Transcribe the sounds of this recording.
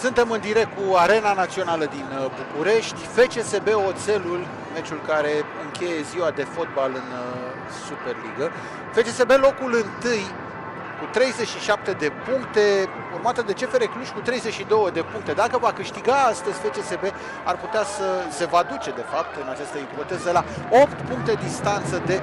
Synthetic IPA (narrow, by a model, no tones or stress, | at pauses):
sɨnt̪e̞mɨnd̪iɾe̞k̚t̪̚kuaɾe̞nanat̪sio̞naləd̪inbukuɾe̞ʃt̪ʲfe̞t͡ʃe̞se̞be̞o̞t̪se̞lul | me̞t͡ʃulkaɾe̞ɨŋkʲʰe̞je̞ziwad̪e̞fo̞t̪̚balɨn | supe̞rliɡə | fe̞t͡ʃe̞se̞be̞lo̞kulɨnt̪ɨj | kut̪ɾe̞jze̞t͡ʃʃiʃap̚t̪e̞d̪e̞puŋkt̪e̞ | urmat̪əd̪e̞t͡ʃe̞feɾekluʃʲkut̪ɾe̞jzet͡ʃʃid̪o̞wəd̪e̞puŋk̚t̪e̞d̪akəvakɨʃt̪iɡaast̪əzʲfe̞t͡ʃe̞se̞be̞ | a̰rput̪easəse̞vad̪ut͡ʃe̞d̪e̞fap̚t̪ɨnat͡ʃast̪əipo̞t̪e̞zəlao̞pt̪puŋk̚t̪e̞d̪ist̪ant̪səd̪e̞